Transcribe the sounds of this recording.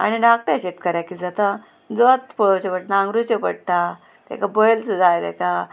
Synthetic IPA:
a̰ñiɖak̚ʈɾɕeʈ̪̚kəɾjakid͡zat̪ã | d͡zot̪pɔɭot͡ɕepəʈnãŋɡɾut͡ɕepəɽt̪a | t̪ɛ̰kabɔjlsud͡zajt̪ɛ̰ka

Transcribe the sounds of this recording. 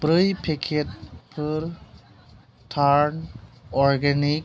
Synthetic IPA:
bɾəjpʰekʰet̚pʰəɾ | ʈʰaɾnɔɾɡɛnik̚

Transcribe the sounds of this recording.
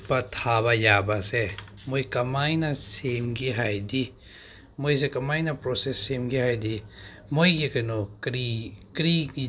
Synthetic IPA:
pɐtʰaβɐjabɐse | mojkɐmajnɐsemɡiɦajdi | mojs̬ekɐmajnɐpɾosesːemɡihajdi | mojɡikɐjnoɾikɾiɡi

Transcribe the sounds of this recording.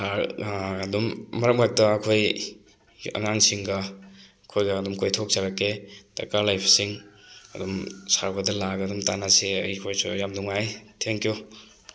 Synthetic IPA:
saɾːdumːɐɾɐk̚mak̚tɐːkʰoj | ɐ̰ŋaŋsiŋɡɐ | kʰojɡɐːdumkojtʰok̚zaɾakːeta̰kalajpʰsiŋɐdumsaɾbɐdɐlaɡɐdumtanaseɐjikʰojsujamduŋajtʰeŋkʰiju

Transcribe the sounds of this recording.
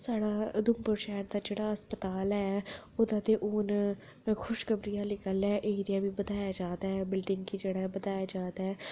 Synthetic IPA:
saːɽaːd̪ʊmpʊɾʃɛːɾd̪aːd͡ʒeːɽaːəspət̪aːlɛːoːd̪ãːt̪eːʔoːn | kʰʊʃkəbɾijãːliːkəlɛːʔeːɾɪjãːbiːbəd̪aːjaːd͡ʒaːd̪aːɦɛːbɪlɖɪŋɡkiːd͡ʒeːɽaːɛːbəd̪aːjaːd͡ʒaːd̪aːɛː

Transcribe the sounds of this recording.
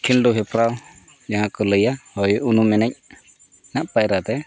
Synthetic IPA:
kʰilɖuɦɛpɾaw | d͡ʒaɦãkɔləjahɔjunumɛnɛc̚ | naʔpajɾat̪ɛ

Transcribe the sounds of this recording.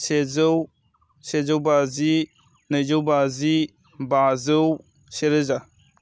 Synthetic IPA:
sezow | sezowbazi | nɯzowbazi | bazɯw | seɾəza

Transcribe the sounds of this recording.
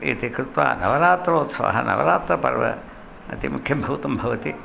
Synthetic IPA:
it̪ikɾɪt̪ʋa̰ːnɐʋɐɾaːt̪ɾɐoːt̪sɐ̰ɦɐnɐ̰ʋɐ̰ɾaːt̪ɾɐpɐɾʋɐ̰ | ɐt̪imukʰjɐbʱɐʋt̪ɐmbʱɐʋɐt̪i

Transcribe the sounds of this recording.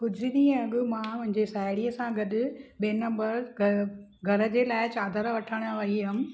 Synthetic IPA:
pʊd͡ʑʱiɗ̪ĩɐɡʊmãːpʊ̃ɦɪ̃ɲd͡ʑesaːɪɽiəsãɡɐɗʊɓeːnɐ̃mbəɾ | ɡʱɐɾə̆d͡ʑelaːɪt͡ɕaːd̪ʱəɾaʋɐʈʰəɽ̃ʋɐɦiɦɐm

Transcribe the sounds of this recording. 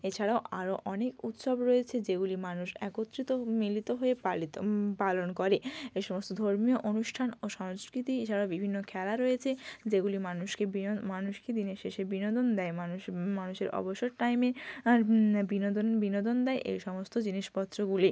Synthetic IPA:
et͡ɕʰaɽaoʔaɾoʔɔnekut̪ʃobɾoet͡ɕʰed͡ʑeɡulimanuʃɛ̰kot̪ːɾit̪omilit̪oɦoealit̪palonkoɾeeʃɔmost̪od̪ʱoɾmioʔonuʃʈʰanoʃɔŋskɾit̪iet͡ɕʰaɾaobibʱinːokʰɛlaɾojet͡ɕʰed͡ʑeɡulimanuʃkemanuʃked̪ineʃeʃebinod̪ond̪ɛemanumanuʃeɾʔɔ̰boʃoɾʈajmeaɾbinod̪onbinod̪ond̪ɛeʔḛjʃɔmost̪od͡ʑiniʃpɔt̪ːɾoɡuli

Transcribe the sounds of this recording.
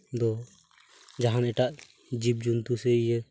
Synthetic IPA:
d̪ɔ | d͡ʒaɦanɛʈaʔ | d͡ʒib̚d͡ʒunt̪usɛijɛ

